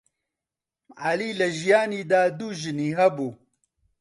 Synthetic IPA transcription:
aliːlɐʒijaːniːd̪aːd̪uːʒɨniːɦɐbuː

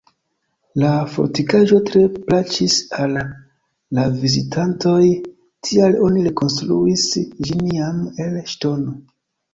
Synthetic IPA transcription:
lafo̞̰ɾtikaʒo̞tɾe̞plat͡ʃisalː | avizitʰanto̞j | tʰialo̞niɾe̞ko̞nstɾuisd͡ʒiniame̞lʃto̞no̞

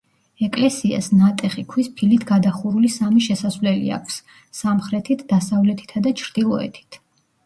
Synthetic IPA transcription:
ɛkʼlɛsia̰snat̪ʼɛχikʰwispʰilit̪ʰɡad̪aχuɾulisamiʃɛsasvlɛlḭa̰kʷʰfsː | amχɾɛt̪ʰit̪ʰd̪̥asavlɛt̪ʰi̥t̪ʰad̪at͡ʃʰɾd̪̥ilˠɔ̰ɛ̰t̪ʰi̥t̪ʰ

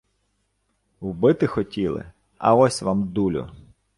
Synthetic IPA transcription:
wbɪt̪ɪxɔtʲilˠɪ̰ | ɐ̰ɔsʲʋɑmd̪ulʲʊ̰

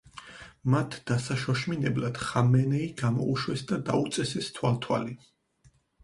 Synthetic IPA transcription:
mat̪ʰd̪̥asaʃɔʃminɛblad̪̥χamɛnɛiɡ̥amɔ̰uʃwɛsd̪ad̪aut̪sʼɛsɛst̪ʰwalt̪ʰwa̰li

